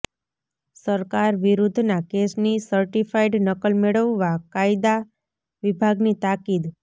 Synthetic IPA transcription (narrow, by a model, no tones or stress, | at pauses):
səɾkaɾʋiɾud̪ʱnakesnisəɾʈifʰajɖnəkəlmeɭəʋːakajd̪a | ʋibʱaɡnit̪akid̪